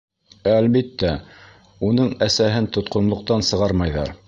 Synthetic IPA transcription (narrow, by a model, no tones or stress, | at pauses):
æːlβit̪ːæ | unɤɴæsæɦɘnt̪ŏt̪qŏnlˠŏq̚t̪ɑnsɤ̆ʁɑɾmɑjðɑ̰ɾ